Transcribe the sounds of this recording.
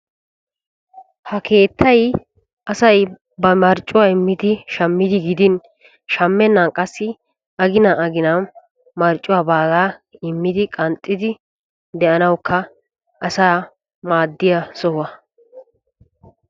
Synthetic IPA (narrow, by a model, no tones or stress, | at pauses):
hɐkʰe̞ːt̪ʰːɐj | ʔɐsɐj | bɐmɐɾt͡ʃʼːʊwaːɪmːɪd̪ɪʃɐmːɪd̪ɪɡɪd̪ɪn | ʃɐmːɛnːɐnkʼɐsːɪ | ɐɡɪnaʔɐɡɪna | mɐɾt͡ʃʼːʊwaːbaːɡaːɪmːɪd̪ɪkʼɐnt̪ʼːɪd̪ɪ | d̪ɛʔɐnɐwkʰːɐ | ɐsaː | maːd̪ːɪjɐsɔhʊwɐ